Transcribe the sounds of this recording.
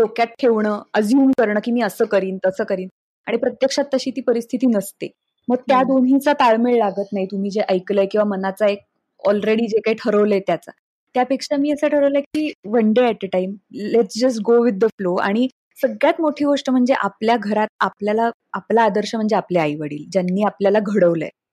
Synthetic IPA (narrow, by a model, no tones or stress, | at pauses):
lokjat̪̚ʈʰːeʋɳəːəd͡zuːnkəɾɳəːkiːmiːəsəːkəɾiːnt̪əsəːkəɾiːn | aɽ̃ipɾət̪jəkʂat̪ːəɕiːt̪iːpəɾist̪ʰit̪iːnəst̪e | məɡ̚t̪jad̪onɦĩt͡sat̪aɭmeɭlaɡət̪naɦit̪um̤iːd͡ʑeʔəjkləjkĩw̃ʋamənat͡saek̚ | ɔlɾeɽiːd͡ʑekaiʈʰəɾəʋləjt̪jat͡sa̰ | t̪japekʂamiːəsəːʈʰəɾəʋləjkiːʋəɳɖeæʈəʈaimleʈt͡sd͡ʑəsʈ̚ɡoʋid̪ːəfloa̰ɽ̃i | səɡɭjat̪moʈʰiːɡoʂʈəm̤əɳd͡zeʔapljaɡʱəɾat̪̚apljala | aplaːd̪əɾɕəm̤əɳd͡zeapljeajʋəɽḭːld͡ʑjanːiːapljalaɡʱəɽəʋlə̰j